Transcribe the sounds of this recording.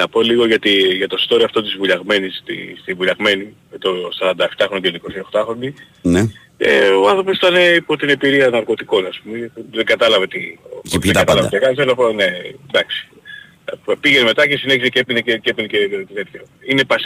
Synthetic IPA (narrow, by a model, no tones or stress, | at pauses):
nɐpo̞liɣo̞ʝɐt̪iʝɐt̪o̞st̪o̞ɾiɐft̪o̞t̪izvuʎɐɣme̞nist̪ḭst̪ivuʎɐɣme̞nimet̪osɐɾɐnd̪ɐeft̪ɐxɾononiko̞sio̞xt̪ɐxɾo̞nd̪i | ne | ḛoɐnθɾo̞posit̪ɐne̞ipo̞t̪ine̞biɾiɐnɐɾko̞t̪iko̞nɐspumepuðeŋɡɐt̪ɐlɐvet̪ieɡɐt̪ɐlɐvɐt̪ɐkɐselɐpned̪ɐksi̥ | piʝenme̞t̪ɐce̞sine̞çisecepinececepinecet̪it̪et̪çɐ | ine̞pɐs